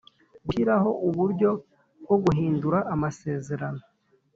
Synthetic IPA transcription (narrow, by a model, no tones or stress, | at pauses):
ɡuçiɾaho̞ʔuβuɾɟo̞ | ɡo̞ɡuɦiːnduɾaʔamase̞ːze̞ɾano̞